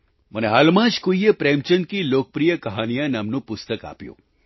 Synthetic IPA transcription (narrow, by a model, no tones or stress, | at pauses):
məneɦaːlmãd͡ʒkoijepɾemt͡ʃənkilok̚pɾijəkəɦanijaneamnũpʊst̪əka̰pjṵ̃